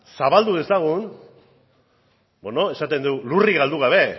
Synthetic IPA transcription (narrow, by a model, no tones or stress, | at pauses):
saβald̪uðe̞saɣ̞un | bo̞no̞e̞sat̪e̞nd̪uluriɣald̪uɣ̞aβ̞e̞